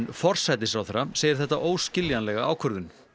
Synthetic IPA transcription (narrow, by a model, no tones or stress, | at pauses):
nfɔr̥sajt̪̬ɪsɾawθɛɾːaseːjɪɾθɛht̪ːaʔoːwscɪljanlɛɣaa̰ːwkʰœɾðʏn